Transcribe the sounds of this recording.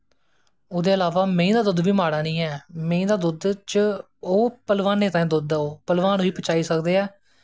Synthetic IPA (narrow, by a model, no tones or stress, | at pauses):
oːd̪eːəlaːʋaːmẽĩːd̪aːd̪ʊd̪ʋiːmaːɽaːnĩːɦɛːmẽĩːd̪aːd̪ʊd̪t͡ʃ | oːpəlʋaːneːt̪ãːẽːd̪ʊd̪ɛːoːpəlʋaːniːpət͡ʃaːiːsəkd̪eːɛː